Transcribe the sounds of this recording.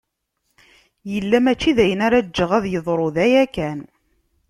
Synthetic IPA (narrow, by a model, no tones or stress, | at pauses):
jəlːæmæt͡ʃːiðæjənaɾad͡ʒːəʁæðjəðˤɾˤoðæjækæn